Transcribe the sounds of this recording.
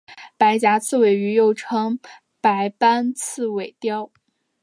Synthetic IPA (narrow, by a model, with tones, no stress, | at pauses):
pa˧˥ɪt͡ɕja˧˥t͡sʰɹ̩˥˩we˨˩ɪy˧˥jo˥˩ʊʈ͡ʂʰɤ˥ŋ | pa˧˥ɪpa˥nt͡sʰɹ̩˥˩we˨˩ɪt̪jɑ˥ʊ